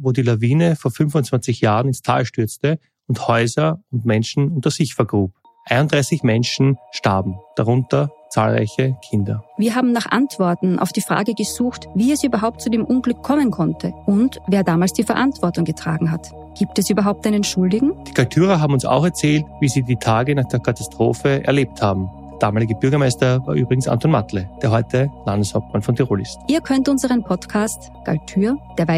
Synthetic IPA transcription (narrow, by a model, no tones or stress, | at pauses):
voːdiːlaviːnəfoːɐfʏnvʊnt͡sv̥ant͡sɪçjaːʁənɪnstʰa̰ːlʃtʏɐt͡stə | ʊnthɔʏzɐʊntmɛnʃn̩ʊntɐz̥ɪçfɛɐɡʁuːp | ʔaɪnʊntd̥ʁaɪsɪçmɛnʃn̩ʃta̰ɐbm̩d̥aʁʊntɐt͡sa̰ːlʁa̰ɪçəkʰɪndɐ̰viːɐɦaːbm̩naχʔa̰ntv̥ɔɐtn̩ʔa̰ʊfd̥iːfʁ̥a̰ːɡəɡəzuːxtviːɛsʔyːbɐɦaʊp̚t̚t͡sudeːmʔʊnɡlʏkʰːɔmənkʰɔntʰəʔʊntveːɐdaːmaːlsd̥iːfɛɐʔantv̥ɔɐtʊŋɡətʁ̥a̰ːɡŋ̩ɦat | ɡ̥iːp̚tɛsyːbɐɦaʊp̚tʔaɪnənʃʊldɪɡŋ̩d̥iːkʰaltʰyːʁɐɦaːbm̩ʊnsa̰ʊxɛɐt͡sɛːltviːziːdiːtʰaːɡənaːχd̥eːɐkʰatastʁ̥oːfəɛ̰ɐleːp̚thaːbm̩ | d̥a̰ːmaːlɪɡəb̥ʏɐɡɐmaɪstɐvaːɐʔy̰ːbʁɪɡŋ̩sa̰ntɔnma̰tləd̥eːɐɦɔʏtʰəlandəshaʊp̚t̚manfɔntʰɛʁoːlɪstʔiːɐkʰœntʔʊnzəʁənpʰɔtkʰaːst | ɡ̥a̰ltʰyːɐd̥eːɐva